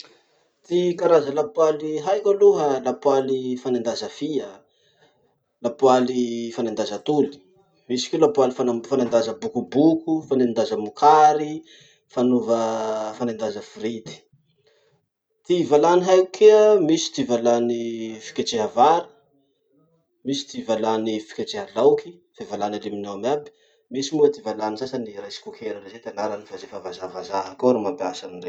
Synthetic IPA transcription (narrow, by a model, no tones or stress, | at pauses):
t̪ikaɾazəlapwaliɦajkaluɦalapwalifanand̪azəfiə | lapwalifanand̪azət̪uli̥ | misi̥kʲelapualifafanand̪azəbukubukufanend̪azəmukʰaɾi | fanuvəfanand̪azəfiɾid̪i̥ | t̪ivalaniɦajukʰeəmisi̥t̪ivalanifi̥kʲaʈ͡ʂeɦavaɾə̥ | misi̥t̪ivalanifi̥kʲat͡ʃeɦalawki̥fevalanaliminawamabi̥ | misimuət̪ivalanisasaniɾajsi̥kokʰeɾərezet̪anaɾanifazefavazavazaɦakoɾumambiasanire